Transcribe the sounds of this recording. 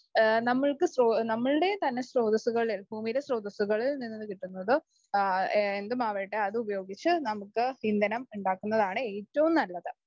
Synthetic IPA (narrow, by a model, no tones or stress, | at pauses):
nɐmːɐɭkɨsroːnɐmːɐɭɨɽe̞t̪ɐnːe̞sro̞ːd̪ɐsuɣɐɭilbʱuːmijɾesro̞ːd̪ɐsuɣɐɭilninːɨːɨkiʈːunːɐðɨ | e̞nd̪ɨmaːʋɐjʈːeɐðɨubɐjo̞ːɡit͡ɕːɨnɐmukːɨhind̪ɐnɐmuɳɖaːkːunːɐðaːɳɨe̞ːtːɐʋumnɐlːɐðɨ